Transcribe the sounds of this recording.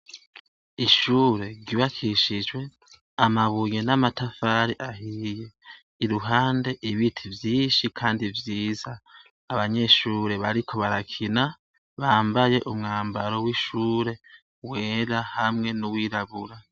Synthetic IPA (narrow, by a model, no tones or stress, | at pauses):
iʃuːɾe̞ɾɟiβakʰiʃid͡ʒwe̞ | amaβuje̞namatafaɾiʔahije̞ | iɾuɦaːnde̞ʔiβitʰivjiːnʃikʰaːndivjiːzaː | βaɲe̞ʃuːɾe̞βaɾikʰo̞βaɾakʰina | βaːmbajeʔumŋaːmbaɾo̞wiʃuːɾe̞ | we̞ːɾahamŋe̞nuwiːɾaβuɾa